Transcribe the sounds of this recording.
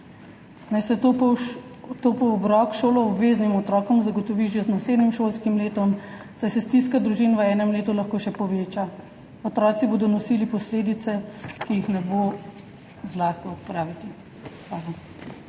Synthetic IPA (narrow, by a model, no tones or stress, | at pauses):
najsɛt̪o | t̪opɔːbɾɔːkʃoːlɔɔbʋeːznimɔt̪ɾɔːkɔmzaɡɔt̪ɔʋiʒɛznasleːd̪nimʃoːlskimleːt̪ɔm | sajsɛst̪iskad̪ɾuʒiːnʋəɛːnɛmleːt̪ulaxkoːʃɛpɔʋeːt͡ʃa | ɔt̪ɾɔːt̪siboːd̪ɔnɔsiːlipɔsleːd̪it̪sɛkijixnɛboː | zlaːxkɔɔt̪pɾaːʋit̪i | xʋaːla